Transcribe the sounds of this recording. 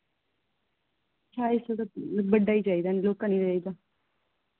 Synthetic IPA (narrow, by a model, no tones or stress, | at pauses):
t͡ʃaːɪsəd̪abəɖːaːiːd͡ʒaːid̪aːloːkãːniːd͡ʒaːiːd̪aː